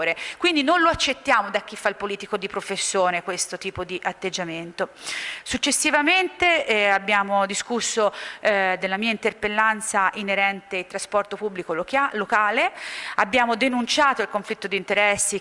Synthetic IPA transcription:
ɾekwind̪inonloat͡ʃːet̪ːjaːmod̪ak̟ːifːailpoliːt̪ikod̪ipɾofesːjoːnekwest̪ot̪iːpod̪iʔat̪ːed͡ʒːament̪osut͡ʃːesːivament̪eabːjaːmod̪iskusːod̪elːamiːaint̪erpelːant̪saʔineɾɛnt̪eit̪ɾaspɔrt̪opubːlikolokaːleabːjaːmod̪enunt͡ʃaːt̪oilkoɱflit̪ːod̪iːnt̪eɾɛsːi

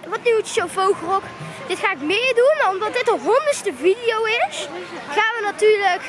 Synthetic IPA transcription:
ʋɑtnytʃowfowɣrɔk | d̥ɪtχaːɪkmɪːɹdunmaɔmdɑt̚dɪtəɦɔndəɹstəvidijowɪs | χaːnʋənatyːɹlək

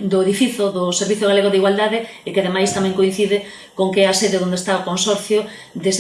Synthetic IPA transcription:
d̪ʊeðifiθʊðʊseɾβiθoɣaleɣoðiɣwald̪aðɪ | ɪkeað̞emajst̪amɛ̃ŋkoĩn̟θiðɪ | koŋkeɛaseðeðond̪est̪aokonsɔɾθjo | d̪es

